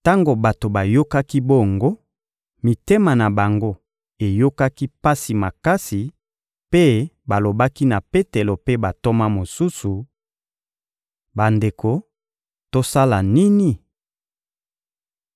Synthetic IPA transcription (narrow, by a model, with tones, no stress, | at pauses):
ta˦ŋɡo˨ba˨to˨ba˨jo˦ka˦ki˦bo˦˨ŋɡo˦ | mi˨te˦ma˨na˨ba˨ŋɡo˦ | e˨jo˦ka˦ki˦pa˦si˨ma˨ka˦si˨ | pe˦ba˨lo˨ba˦ki˦na˨pe˦te˨lo˨pe˦ba˨to˦ma˦mo˨su˦su˨ | ba˨nde˨kʰo˨ | to˦sa˦la˨ni˦ni˦